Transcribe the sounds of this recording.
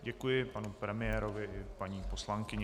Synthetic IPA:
ɟɛkujɪpanupɾɛmɪjɛːɾovɪʔɪpaɲiːpo̞slaŋkɪɲɛ

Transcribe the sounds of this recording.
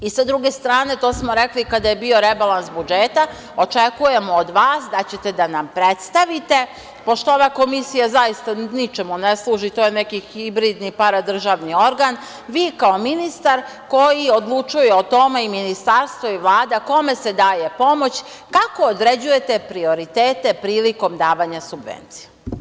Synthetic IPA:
isad̪ɾuɡe̞st̪ɾaːne̞t̪o̞ːsmo̞ɾe̞klikad̪ajebio̞ɾebalˠansbud͡ʒeːt̪a | o̞t͡ʃekuje̞moːd̪ʋaːsd̪at͡ɕe̞t̪e̞d̪anampɾet̪st̪aʋit̪e̞ | po̞ʃt̪oo̞ʋako̞misijazajist̪anit͡ʃe̞muneslˠuːʒit̪o̞jene̞kixibɾiːd̪nipaɾad̪r̩ʒaʋnio̞ɾɡan | ʋiːkao̞minist̪aɾko̞jio̞d̪lˠut͡ʃujeot̪o̞me̞iminist̪aɾst̪ʋo̞iʋlˠaːd̪ako̞me̞se̞d̪aːje̞po̞mo̞t͡ɕ | kako̞ːd̪ɾed͡ʑuje̞t̪e̞pɾio̞ɾit̪eːt̪e̞pɾiːliko̞md̪aːʋaɲasubʋḛnt̪sije

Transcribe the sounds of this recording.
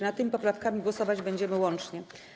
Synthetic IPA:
nat̪ːɘmʲipɔpɾafkamʲiɡwɔsɔvad͡ʑbɛɲd͡ʑɛmɘwɔnt͡ʂɲɛ

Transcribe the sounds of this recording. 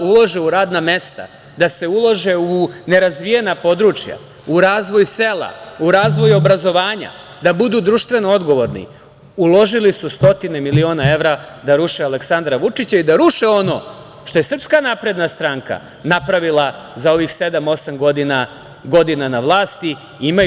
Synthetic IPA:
ulˠo̞ʒeuɾaːd̪name̞st̪a̰ | d̪ase̞ulˠoʒe̞une̞ɾazʋije̞napo̞d̪ɾuːt͡ʂja̰ | uɾaːzʋo̞jse̞ːlˠa̰uɾaːzʋo̞jo̞bɾazo̞ʋaːɲa̰ | d̪abud̪uːd̪ɾuːʃt̪ʋe̞no̞o̞d̪ɡo̞ʋo̞ɾnḭ | ulo̞ʒilisust̪o̞t̪ine̞milio̞ːnae̞ʋɾad̪aɾuʃeale̞ksand̪ɾaʋut͡ʂit͡ɕaid̪aɾuʃeo̞no̞̰ | ʃt̪o̞je̞sr̩pskanapɾe̞d̪nast̪ɾaŋka̰ | napɾaʋilˠa | zao̞ʋixse̞d̪amo̞samɡo̞d̪ina | ɡo̞d̪inanaʋlˠaːst̪i | ima

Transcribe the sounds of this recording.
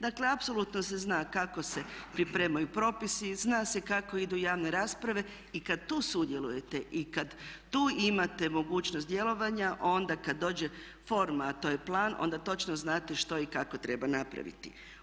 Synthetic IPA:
d̪akle̞apso̞lut̪nose̞znaːkako̞se̞pɾipɾe̞ːmajupɾo̞ːpisiznaːse̞kako̞id̪ujaːʋne̞ɾaːspɾaʋe̞ | ikad̪̚t̪uːsud̪je̞luje̞t̪e̞ʔikad̪t̪uːimat̪e̞mo̞ɡuːt͡ʃnost̪d̪je̞lˠo̞ʋaɲaʔo̞nd̪akad̪ːo̞ːd͡ʑe̞ | fo̞ɾmaːt̪o̞ːje̞plˠaːnʔo̰nd̪at̪o̞t͡ʃnoznaːt̪e̞ʃt̪o̞ikako̞t̪ɾe̞banapɾa̰ʋḭt̪ḭ

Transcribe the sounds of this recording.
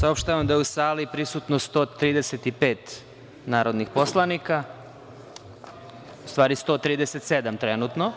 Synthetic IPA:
saopʃt̪aʋamd̪ajeusaːlipɾisut̪nost̪o̞ːt̪ɾiːd̪eset̪ipe̞ːt̪ | naːɾod̪nixpo̞slˠanika | ust̪ʋaːɾist̪o̞ːt̪ɾiːd̪eset̪sed̪amt̪ɾenut̪no

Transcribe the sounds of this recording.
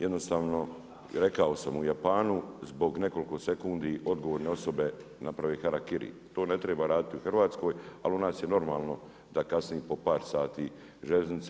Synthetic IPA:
jed̪no̞st̪aːʋno̞ | ɾe̞kao̞samujapaːnuzbo̞ɡne̞ko̞liko̞se̞kund̪iʔo̞d̪ɡo̞ʋoːɾne̞o̞so̞be̞ | napɾaʋeːxaɾakiɾḭ | t̪oːne̞t̪ɾeːbaːɾaːd̪it̪iuxrʋaːt̪sko̞ːja̰liunaːsjeno̞ɾmaːlno̞ | d̪akasniːpo̞paːɾsaːt̪iː | ʒelznit̪s

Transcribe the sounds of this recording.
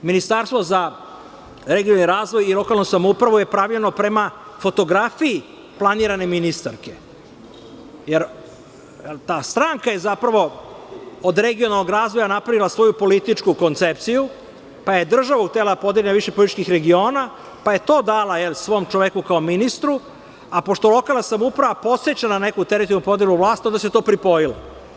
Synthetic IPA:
minist̪aɾst̪vʋo̞za | ɾeɡionaniɾaːzʋo̞jilˠo̞kalˠnusamoupɾaʋuje̞pɾaʋʎeno̞pɾe̞ma | fo̞t̪o̞ɡɾafiji | plˠaniːɾane̞minist̪aɾke̞ | jeɾ | t̪aːst̪ɾaːŋkaje̞zapɾaʋo̞ | od̪ɾeɡionalno̞ɡɾaːzʋo̞janapɾaʋilasʋo̞jupo̞lit̪it͡ʃkuko̞nt̪sep̚t̪siju | pajed̪r̩ʒaʋuuxt̪elad̪apo̞d̪eʎʲenaʋiʃepoit̪it͡ʃkixɾeɡio̞ːna | paje̞t̪o̞ːd̪alajelisʋo̞ːmt͡ʃoʋekukaominist̪ɾu | apo̞ʃt̪olˠo̞kalnasamupɾaʋapo̞t̪set͡ɕanane̞kut̪eɾit̪onupo̞d̪eluvlˠaːst̪io̞nd̪aset̪oːpɾipo̞jila

